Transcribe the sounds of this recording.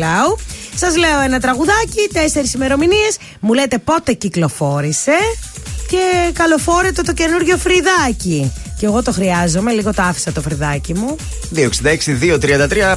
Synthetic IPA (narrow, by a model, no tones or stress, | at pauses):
lɐusɐzle̞o̞enɐt̪ɾɐɣuðɐcit̪ese̞ɾisime̞ɾo̞minie̞s | mule̞t̪e̞po̞t̪e̞ciklo̞fo̞ɾise̞ce̞kɐlo̞fo̞ɾe̞t̪e̞t̪o̞ce̞nuɾʝo̞fɾiðɐciceɣo̞t̪o̞xɾiɐzo̞me̞liɣo̞t̪oɐfi̥sɐt̪ofɾiðɐcimu | ðioksind̪ɐeksiðiot̪ɾiɐnd̪ɐt̪ɾiɐ